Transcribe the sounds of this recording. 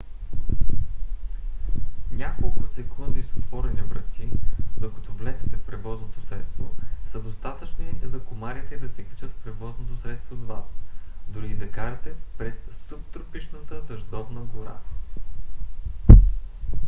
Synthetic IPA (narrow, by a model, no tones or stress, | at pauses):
nʲakolˠkʊsɛkʰund̪isot̪vɔɾɛnipɾɛt̪t̪ʲːid̪okɐ̥t̪ɔvlɛzɛt̪ɛfpɾɛvɔznot̪o̥sɾɛt̪st̪vosəd̪ost̪at̪ət͡ʃninɛzɐkomaɾit̪ɛd̪ɐsɛkɐ̥t͡ʃət̪fpɾɛvɔznot̪osɾɛt̪st̪vod̪vasd̪ʊɾid̪ɐkaɾɐt̪ɛpɾɛst̪up̚t̪ɾopiʃnət̪əd̪ɐʒd̪ɔvnəɡoɾa̰